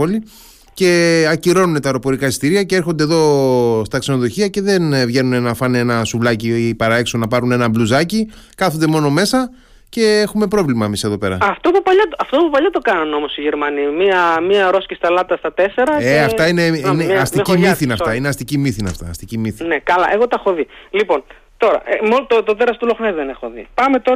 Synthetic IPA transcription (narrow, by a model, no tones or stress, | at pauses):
oli | ce̞ɐciɾo̞nune̞t̪ɐeɾo̞po̞ɾikɐist̪iɾiɐcee̞ɾxo̞nd̪eðo̞st̪ɐkse̞no̞ðo̞çiɐce̞ðe̞nvʝe̞nunenɐfɐnee̞nɐsuvlɐcipɐɾɐe̞kso̞nɐpɐɾune̞nɐbluzɐci | kɐθond̪emo̞no̞me̞sɐ | ce̞e̞xume̞pɾo̞vlimɐemise̞ðo̞pe̞ɾɐ̰ɐft̪opupɐʎɐt̪ɐft̪opupɐʎɐt̪o̞kɐnɐno̞mo̞siʝeɾmɐnimiɐmiɐɾo̞scist̪ɐlɐt̪ɐst̪ɐt̪e̞se̞ɾɐeɐft̪ɐineiineɐst̪iɐcimiθinɐfɐineɐst̪icimiθinɐft̪ɐːst̪icimiθinekɐlɐʔe̞ɣo̞t̪ɐxo̞ðilipo̞n | t̪o̞ɾɐ̰emot̪ot̪oðeɾɐst̪ulo̞xnezðenexoðḭpɐmet̪o